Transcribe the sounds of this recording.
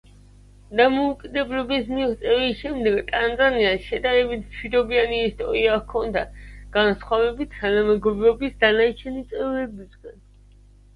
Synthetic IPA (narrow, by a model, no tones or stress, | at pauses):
d̪amɔukʼid̪ɛblɔbismiʁt̪sʼɛvisʃɛmd̪ɛɡt̪ʼanzaniasʃɛd̪aɾɛbit̪ʰmʃwid̪ɔbianiːst̪ʼɔ̰ɾiakʰɔnd̪aɡ̥ansχwavɛbit̪ʰːanamɛɡɔbɾɔbisd̪anat͡ʃʰɛnit̪sʼɛvɾɛbizɡan